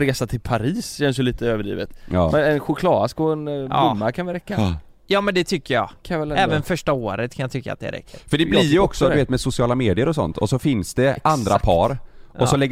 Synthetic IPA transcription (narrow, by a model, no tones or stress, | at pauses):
ɾeːsat̪ʰɪlpʰaɾiːsɕɛnsjɵliːt̪əøːvəɖḭːvət̪ɑːmɛnɛnɧʊkʰlɑːd̪askɔɛnbʊmːakʰanʋɪɾɛkːa | jɑːmɛnd̪ɛt̪ʰʏkːəjɑ̰ːaɛlɛːvənfœʂʈaoːɾət̪̚kʰanjat̪ʰʏkːa̰t̪̚d̪ɛ̰ɾʔɛ̰k̚t̪ɪfœɖɛblɪɾjɔksɔd̪ɵveːt̪mɛsʊsɪɑːlameːd̪ɪəɾɔsɔ̰nt̪ɔsɔfɪnsd̪ɛʔandd̪ɾa̰pʰɑːɾɔsɔlɛɡː